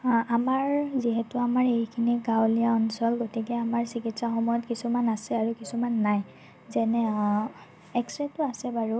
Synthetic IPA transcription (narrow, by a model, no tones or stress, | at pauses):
amaɹziɦɛtʊamaɹejkʰiniɡawlijaɔnsɔlɡotikɛamaɹsikitsaxɔmɔjɔtkisumanasɛaɹukisumanːaj | zɛnɛ | ɛksɹɛtʊasɛbaɹu